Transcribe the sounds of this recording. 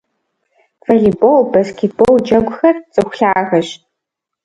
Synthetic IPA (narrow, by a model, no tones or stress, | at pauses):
fɐɮibowbaskʰʲet̚b̥owd͡ʒɐɡʷʊxɐrt͡sʼɨxʷʊ̥ɬaːɣɐʃtʼ